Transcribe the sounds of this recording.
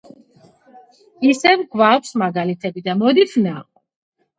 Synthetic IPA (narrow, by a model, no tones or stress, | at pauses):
isɛvɡvakʰsmaɡalit̪ʰɛbid̪amɔd̪ifʰnaq